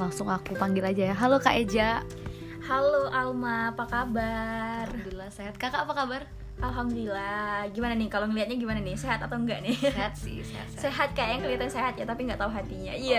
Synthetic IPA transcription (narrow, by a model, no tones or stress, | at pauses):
laŋsʊŋakupaŋɡɪlad͡ʒajaɦalokaʔed͡ʒa | haloʔalmapakabard̪ulaseɦat̪̚kakaːpakabar | ʔalɦamd̪ulilahɡimananɪhkaloŋəliɦat̪̚ɲaɡimananɪhseɦat̪at̪awŋɡaʔnɪsḭs | seɦat̪̚kajaʔjaŋkəliat̪anseɦat̪jat̪apiŋɡaʔt̪auɦat̪iɲaija